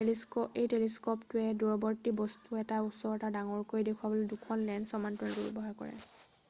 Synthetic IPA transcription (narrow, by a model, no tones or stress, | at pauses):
liskɔejteliskɔptʊɛduɹɔbɔɹtibɔstuɛtausɔɹɔtadaŋɔɹkojdekʰuwabolodukʰɔnlɛndsɔmantɔɹɛɡuɹḭbɔɦaɹkɔ̰ɹɛ̰